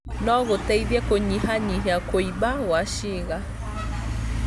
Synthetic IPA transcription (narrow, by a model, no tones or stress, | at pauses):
nɔɣotɛiðjɛkoɲihaɲiɦakoibaɣwaʃiɣa